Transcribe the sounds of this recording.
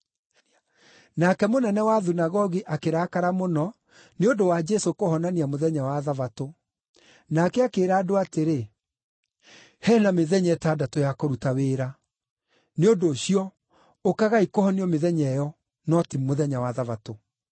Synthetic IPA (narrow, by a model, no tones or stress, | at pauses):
nakɛmonɛnɛwaðunaɣɔɣiʔakeɾaːkaɾamonɔ | neondowad͡ʒɛsokohɔnaniamoðɛɲawaðavato | nakɛakeːɾaːdoateɾe | hɛnameðɛɲɛtadatojakoɾutaweːɾa | neodoɕiɔ | okaɣaikohɔniɔmeðɛɲɛjɔ | nɔtimoðɛɲawaðavato